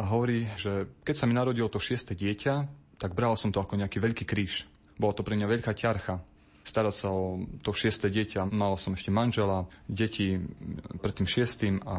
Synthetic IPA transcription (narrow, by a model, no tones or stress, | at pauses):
aɦɔʋɔɾiːʒɛkɛcsaminaɾɔɟilɔt̪ɔʃɪɛst̪ɛːɟɪɛcat̪aɡbɾalsɔmt̪ɔakɔɲɛakiːʋɛʎkiːkɾiːʃ | bɔlat̪ɔpɾɛmɲaʋɛʎkaːcaɾxa | st̪aɾacsaɔt̪ɔʃɪɛst̪ɛːɟɪɛcamalsɔmɛʃcɛmanʒɛlaɟɛcipɾɛt̪ːiːmʃɪɛst̪iːma